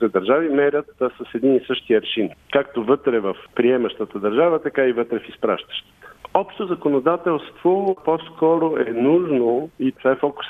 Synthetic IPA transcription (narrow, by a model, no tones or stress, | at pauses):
t̪ɛd̪ɐɾʒavimɛɾʲət̪səsɛd̪ninisɤʃt̪iəɾʃinkakt̪ovət̪ɾɛvɐfpɾiɛməʃt̪ət̪əd̪ɐɾʒavət̪ɐkaivɤt̪ɾɛfispɾa̰ʃt̪ə̥ʃt̪ə̥t̪ə̥ɔpʃt̪ozɐkonod̪at̪ɛlˠst̪v̥oposkɔɾoʔɛnuʒnoit̪ovaɛfɔkʊ̥s